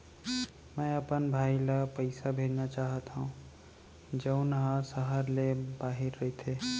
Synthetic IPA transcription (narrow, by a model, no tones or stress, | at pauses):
mə̃əpənbʱaːilapəɪsabʱeɾnat͡ʃaːɦət̪ɦũ | d͡ʒəʊnɦãsəɦəɾlebaːɦiɾːəɦt̪ʰe